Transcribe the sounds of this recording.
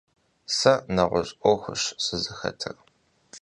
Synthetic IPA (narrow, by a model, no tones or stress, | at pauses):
sɐnɐʁʷʊɕʼʔʷɔxʷʊɕsɨzɨxɐ̰tʰɨr